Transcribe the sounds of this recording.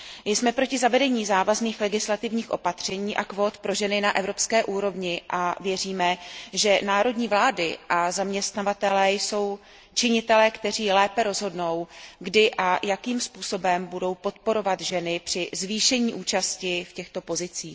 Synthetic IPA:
mɪjsmɛpɾocɪzavɛdɛɲiːzaːvazniːxlɛɡɪslat̪ɪvɲiːxʔo̞pat̪r̝̥ɛɲiːʔakvoːt̪pɾo̞ʒɛnɪnaʔɛvɾo̞pskɛːʔuːɾo̞vɲɪʔavjɛr̝iːmɛʒɛnaːɾo̞dɲiːvlaːdɪʔazamɲɛst̪navat̪ɛlɛːjso̞w | t͡ʃɪɲɪt̪ɛlɛːkt̪ɛr̝iːlɛːpɛɾo̞zɦo̞dno̞wɡdɪʔajakiːmspuːso̞bɛmbudo̞wpo̞t̪po̞ɾo̞vat̪ʒɛnɪpr̥ɪzviːʃɛɲiːʔuːt͡ʃascɪfcɛxt̪o̞po̞zɪt͡siː

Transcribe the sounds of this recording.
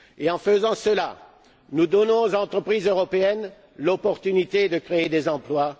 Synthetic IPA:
eɑ̃fəzɑ̃səla̰ | nud̪ɔnɔ̃zɑ̃t̪χəpχizøʁɔpeɛn | lɔpɔʁt̪ynit̪ed̪əkχeed̪ezɑ̃plwa

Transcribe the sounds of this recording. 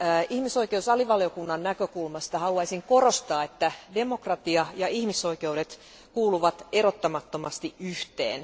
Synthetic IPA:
ihmiso̞ikeusɑliʋɑljo̞kunːɑnnækøkulmɑst̪ɑhɑluɑisiŋko̞rost̪ɑːet̪ːæde̞mo̞krɑt̪iɑjɑihmiso̞ike̞uɾet̪ | kuːluʋɑt̪erot̪ːɑmɑt̪ːomɑst̪iʔyht̪ḛːn

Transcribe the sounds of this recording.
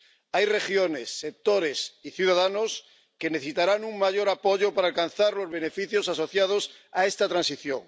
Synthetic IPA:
ajre̞xjone̞sːe̞k̚t̪oɾe̞siθjuð̞aðano̞s | ke̞neθesit̪aɾanuŋmaʝo̞ɾapo̞ʝopaɾaːlkan̟θaɾlo̞zβe̞ne̞fiθjo̞saso̞θjað̞o̞sae̞st̪at̪ɾansiθjo̰ŋ

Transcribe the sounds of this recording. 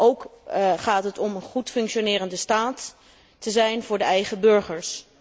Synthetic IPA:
ʔowkχaːtɦətɔmənχutfɵŋkʃonɪːɾəndəstaːtː | əzɛjnvʊːɹdəɛjχəbɵɹχəɹs

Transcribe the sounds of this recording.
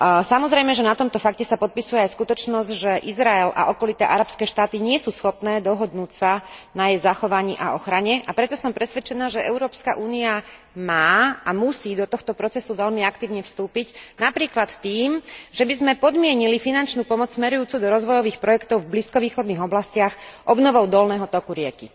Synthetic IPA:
samɔzɾɛjmɛʒɛnat̪ɔmt̪ɔfakcɛsapɔt̪̚pisujɛajskut̪ɔt͡ʃnɔzɟʒɛʔizɾaɛla̰ʔɔkɔlit̪a̰ːʔaɾapskɛːʃt̪aːt̪iɲɪɛsuːsxɔpnɛːd̪ɔɦɔd̪nuːcsanajɛjzaxɔʋaɲiːʔa̰ɔxɾaɲɛʔapɾɛt̪ɔsɔmpɾɛsʋɛt͡ʃɛnaːʒɛʔɛʊɾɔːpskaʔuːnia | maːamusiːd̪ɔt̪ɔxt̪ɔpɾɔt͡sɛsuʋɛʎmiakt̪iːʊɲɛfst̪uːpicnapɾiːklat̪t̪iːmʒɛbizmɛpɔd̪mɪɛɲilifinant͡ʃnuːpɔmɔt͡ssmɛɾujuːt͡sud̪ɔɾɔzʋɔjɔʋiːxpɾɔjɛkt̪ɔʊvbliskɔʋiːxɔd̪niːɣɔblascɪaxʔɔbnɔʋɔʊd̪ɔlnɛːɦɔt̪ɔkuɾɪɛkḭ

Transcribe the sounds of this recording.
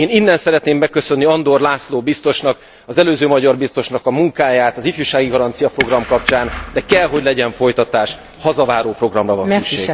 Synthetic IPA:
eːninːɛnsɛɾɛt̪neːmːɛkːøsø̞nːiɒnd̪o̞rlaːsloːbist̪o̞ʃnɒk | ɒzɛløːzøːmɒɟɒrbist̪o̞ʃnɒkɒmuŋkaːjaːt̪ɒzifjuːʃaːɡiɡɒɾɒnt̪sijɒpro̞ɡrɒmkɒp̚t͡ʃaːnd̪ɛkɛlɦo̞ɟlɛɟɛɱfo̞jt̪ɒt̪aːʃ | hɒzɒvaːɾoːpro̞ɡrɒmrɒvɒnsykʃḛːɡ

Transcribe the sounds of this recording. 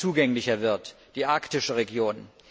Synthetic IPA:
t͡suːɡɛŋlɪçɐvɪɐt | d̥iːʔaɐktɪʃəʁeɡjoːn

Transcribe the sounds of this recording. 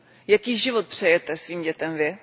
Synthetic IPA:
jakiːʒɪvot̪̚pr̝̥ɛjɛt̪ɛsviːmɟɛt̪ɛmvɪ

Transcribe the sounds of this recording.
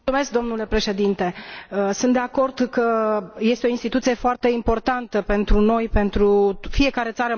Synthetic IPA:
ume̞sk̚d̪o̞mnule̞pɾe̞ʃe̞d̪int̪e̞əsunt̪d̪e̞ako̞rd̪kəje̞st̪eo̞inst̪it̪ut̪sije̞foart̪e̞impo̞rt̪ant̪əpe̞nt̪ɾuno̞jpe̞nt̪ɾufie̞kaɾe̞t̪saɾə

